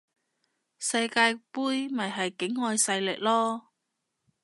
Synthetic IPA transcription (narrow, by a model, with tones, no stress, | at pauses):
sɐ˧jkaː˧jpuː˥jmɐ˨jɦɐ˨jkɪ˨˥ŋhɔː˧jsɐ˧jlɪ̰˨k̚lɔː˥